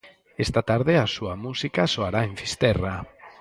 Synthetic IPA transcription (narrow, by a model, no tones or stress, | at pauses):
est̪at̪aɾðeasuamusikasoaɾaeɱfist̪ɛra